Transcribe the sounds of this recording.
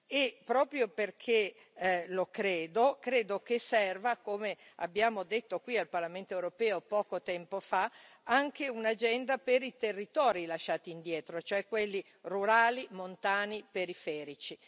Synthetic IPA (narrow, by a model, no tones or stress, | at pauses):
epɾɔːpɾjoperkʰe | lokɾeːd̪okɾeːd̪ok̟esɛrvakomea̰bːjaːmod̪et̪ːokwialparlament̪oewɾopɛːopɔːkot̪ɛmpofa | aŋk̟eunad͡ʒɛnd̪apeɾit̪erːit̪ɔːɾilaʃːaːt̪iːnd̪jɛːt̪ɾot͡ʃoɛkwelːi | ruɾaːlimont̪aːnipeɾifɛːɾit͡ʃi